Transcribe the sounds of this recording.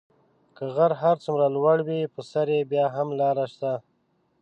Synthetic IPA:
kəɣaɾɦaɾt͡sumɾalwaɽwipəsaɾebjɑɦamlɑɾaʃt̪a

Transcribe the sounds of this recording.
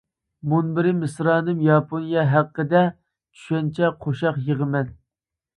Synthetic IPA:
munbɪɾɪmɪsɾɑːnɨmjɑpʰonijɑɦæqːəd̪ɛ | t͡ʃʰy̥ʃɛnt͡ʃʰɛqʰoʃɑqjəʁəmɛn

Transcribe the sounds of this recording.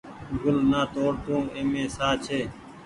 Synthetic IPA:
ɡʱʊlnaːt̪oːɽt̪ũːeːmẽːsaːt͡ʃʰeː

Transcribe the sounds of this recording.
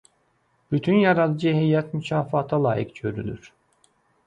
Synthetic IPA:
b̥yt̪ʰynjɑɾɑd̪ɯd͡ʒɯɦejːæt̪mycʰɑːfɑt̪ʰɑlˠɑ̰ːjḭkɟøɾyly̰ɾ̥

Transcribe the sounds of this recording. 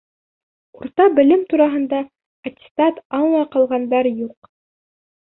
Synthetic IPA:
uɾt̪ɑbɘ̆lɘmt̪uɾɑɦɤ̆nd̪ɑ | ɐt̪ʲɪ̥st̪ɑt̪ɑɴlˠɑqɑlˠʁɑnd̪ɑɾjuq

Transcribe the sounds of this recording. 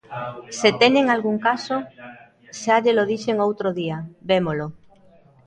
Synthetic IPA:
set̪ɛɲeŋalɣuŋkaso | ʃaʎeloðiʃeŋowt̪ɾoðiabemolo

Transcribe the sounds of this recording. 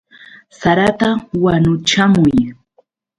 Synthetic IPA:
saɾat̪awanʊt͡ʃamʊj

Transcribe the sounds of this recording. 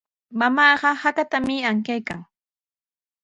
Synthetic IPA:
mamɑːɢɑhat̪at̪amɪaŋkajkaŋ

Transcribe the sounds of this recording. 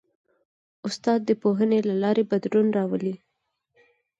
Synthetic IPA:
ʊst̪ɑd̪̚ːəpoɦənelalɑɾebad̪ɾunɾɑwəli

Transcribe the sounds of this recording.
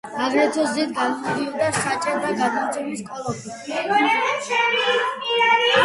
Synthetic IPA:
aɡɾɛt̪sʰɔzzit̪̚ʰɡanud̪iɔbd̪asat͡ʃʼaɾd̪aɡad̪amt̪sʼɛmiskʼɔlˠɔpʰi

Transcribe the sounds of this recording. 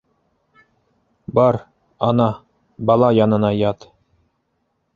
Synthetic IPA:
bɑɾ | ɑnɑ | bɑlˠɑjɑnɤ̆nɑjɑt̪

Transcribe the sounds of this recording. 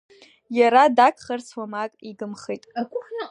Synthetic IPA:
jaɾadakʰχarsʰwamakʼiɡɨmχijtʼʷn

